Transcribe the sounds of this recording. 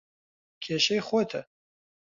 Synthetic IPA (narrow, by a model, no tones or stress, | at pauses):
kʲʰeʃejχojtʰa